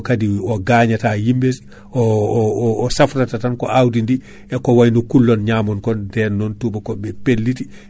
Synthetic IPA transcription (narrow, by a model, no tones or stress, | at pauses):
kadiɔɡaɲatajimbes | ʔɔː | safɾatatankɔʔawdindi | ɛkɔwajnɔkulːɔnɲamɔnkɔndɛnɔntubakɔbɛpelːiti